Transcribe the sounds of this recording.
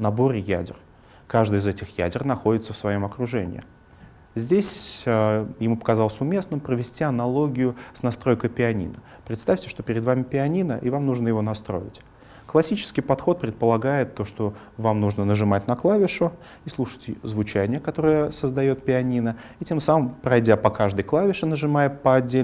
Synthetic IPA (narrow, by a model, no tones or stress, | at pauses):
nɐbo̞ɾʲɪjæ̰dʲɪ̰r | kaʐd̪ɨjɪzɛtʲɪxjæ̰dʲɪrnɐxo̞dʲɪt̪səfsvɐjo̞mɐkɾʊʐɛ̰nʲɪ̰ɪ̰ | zʲdʲesʲ | jɪmupə̥kɐzɑlˠəsʲʊmʲe̞snɨmpɾəvʲɪsʲtʲiɐnɐlˠo̞ɡʲɪjʊsnɐst̪ɾo̞jkəpʲɪɐnʲḭnə | pɾʲɪt̪st̪afʲtʲɪ̥ʂt̪o̞pʲɪɾʲɪd̪vamʲɪpʲɪɐnʲinəʔivamnuʐnəjɪvo̞nɐst̪ɾo̞̰ɪ̰tʲ | klˠɐsʲit͡ɕɪ̥skʲɪjpɐt̪xo̞t̪̚pɾʲɪt̪̚pəlˠɐɡajɪt̪ːo̞ʂt̪o̞ | vamnuʐnənəʐɨmat̚ʲnɐklˠavʲɪʂʊ | islˠuʂə̥jtʲɪzvʊt͡ɕænʲɪjəkɐt̪o̞ɾəjəsəzd̪ɐjo̞t̪̚pʲɪɐnʲinəitʲe̞msaməmpɾɐjdʲapɐkaʐd̪ɨjklˠavʲɪʂɨnəʐɨmajɪpəɐdʲːel